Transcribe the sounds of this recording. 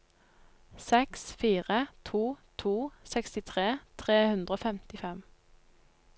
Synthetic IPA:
sɛksfiːʁət̪ʰuːt̪ʰuːsɛkst̪ɪt̪ʰʁeːt̪ʰʁeːhʉnd̪ʁəoːfɛmt̪ɪfɛm

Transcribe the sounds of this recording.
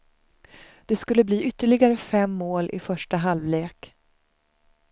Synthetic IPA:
d̪̥ɛskɵlːəbliːʏt̪ːəɭɪɡaɾəfɛmːoːlʔɪ̰fœʂʈaɦalvleːk

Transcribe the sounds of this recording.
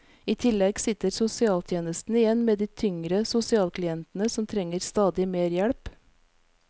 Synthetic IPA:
iːt̪ʰɪlɛɡsɪt̪əɾsʊsɪɑːlt̪ʰjeːnəst̪n̩ɪjɛnmeːd̪iːt̪ʰʏŋɾəsʊsɪɑːlkʰlɪɛnt̪n̩əsɔmt̪ʰɾɛŋəɾst̪ɑːd̪ɪmeːɾjɛɽp

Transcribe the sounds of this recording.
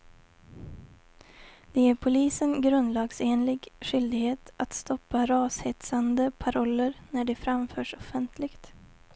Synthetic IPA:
d̪̥ɛjæːɾpʰʊliːsənɡɾɵnd̪lɑːɡseːnlɪɡɧʏld̪ɪɡheːt̪at̪st̪ɔpːaɾɑːshɛt̪sand̪əpʰaɾɔlːəɾnæɖɛfɾamfœːʂɔfɛnt̪ʰlɪɡt̪

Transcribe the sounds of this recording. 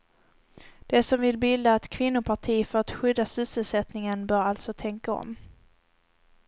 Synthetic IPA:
d̪̥ɛsɔmvɪlbɪld̪aːt̪kʰvɪnːʊpʰaʈʰiːfœɾat̪ɧʏd̪ːasʏsəlsɛt̪nɪŋənbœːɾalt̪sɔt̪ʰɛŋkaɔ̰m

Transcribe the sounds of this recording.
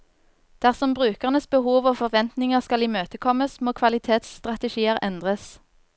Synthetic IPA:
d̪̥æʁsɔmbʁʉːkəʁnəsbəhuːʋɔːfɔʁʋɛnt̪nɪŋəʁskɑliːmøːt̪əkʰɔməsmoːkʰʋɑlɪt̪ʰeːt̪st̪ʁɑt̪əʃiːəʁɛnd̪ʁəs

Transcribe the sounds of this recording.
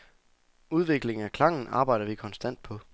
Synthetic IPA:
uð̞ˠʋe̝ɡ̥le̝ŋ̩ækʰlɑ̈ŋ̰n̩ɑ̈ːb̥ɑ̈ɪ̰ɾ̥ɐʋikʰɒ̽nsd̥æn̰d̥̚pʰɒ̽

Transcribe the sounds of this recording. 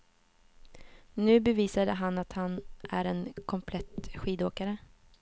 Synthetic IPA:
nʉ̟ːbɛviːsad̪əɦanːat̪hanʔæ̰ɾɛnkʰɔmpʰlɛt̪ɧiːd̪oːkaɾə

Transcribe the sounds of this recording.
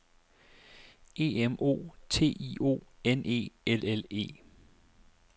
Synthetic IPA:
e̝ːemʔo̝̰ːt͡sʰe̝̰ːḭːo̝̰ːenʔe̝̰ːelele̝̰ː

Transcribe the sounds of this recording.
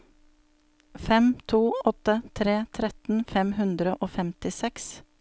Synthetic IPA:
fɛmt̪ʰuːɔt̪ət̪ʰɾeːt̪ʰɾɛt̪n̩fɛmhʉnd̪ɾəʔoːfɛmt̪ɪsɛks

